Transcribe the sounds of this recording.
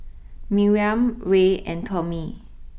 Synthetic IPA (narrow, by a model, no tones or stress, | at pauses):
miɹiãmɹeɛ̃ntʰɔmi